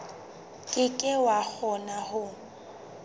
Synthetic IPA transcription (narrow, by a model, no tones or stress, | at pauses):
kʼɪkʼɪwak͡xʰɔnahʊ